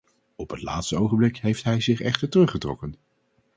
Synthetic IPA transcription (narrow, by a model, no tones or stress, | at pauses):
ɔpɦətla̰ːtstəowχənmblɪkɦejftɦɛjzɪχɛχtəɹtərɵχətrɔ̰kən